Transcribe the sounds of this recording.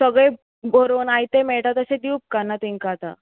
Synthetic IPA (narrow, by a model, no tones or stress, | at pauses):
səɡɭej | bʱoɾonajt̪emeɭʈat̪əsed̪iwp̚kanat̪iŋkat̪a̰